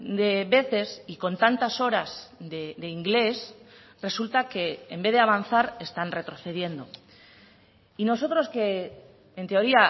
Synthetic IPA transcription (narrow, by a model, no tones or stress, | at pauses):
d̪e̞βe̞θe̞siko̞nt̪ant̪aso̞ɾazd̪ed̪e̞iŋɡle̞s | re̞sult̪ake̞ːmbe̞ðeaβ̞anθaɾe̞st̪anre̞t̪ɾo̞θe̞ð̞je̞nd̪o̞̰ | ino̞s̬o̞t̪ɾo̞ske̞ː | nt̪e̞o̞ɾia